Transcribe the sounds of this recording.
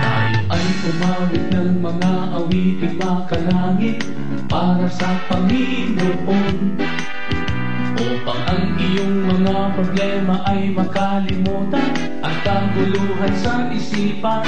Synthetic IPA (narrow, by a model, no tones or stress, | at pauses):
ʔa̰ːjoʔɐjsʊmaːwɪt̪̚nɐŋmɐŋaʔɐwiːtɪmakɐlaːŋɪt̪̚ | paːɾɐsɐpɐŋi | mʊʔon | ʔoːpɐŋʔɐŋʔɪjoŋmɐŋapɾoblɛːmɐʔɐjmɐkɐlɪmuːt̪ɐn | ʔɐt̪̚kaɡ̪ʊluːɦɐnsɐʔɪsiːpɐ